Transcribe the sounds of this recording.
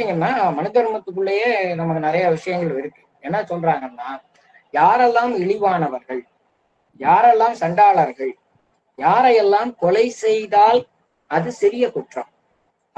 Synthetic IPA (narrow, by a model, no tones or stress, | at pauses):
ɪŋɡɐmnaːmɐnɯðɐɾɯmɐt̪ːɯk̬ːɯɭːɐjeːnɐmɐkːɯnɪɾɐjɐʋɪʂɐjɐŋɡɐɭʋɪɾɯkːɯ | ɛnːɐsɔlraːŋɡɐnːaː | jaːɾɛlːaːmɪɭɪʋaːnɐʋɐɾɣɐɭ | jaːɾɛlːaːmsɐɳɖaːɭɐɾɣɐɭ | jaːɾɐjɛlːaːmkɔlɐɪsɛjðaːl | ɐðɯsɪɾɪjɐkʊʈrɐm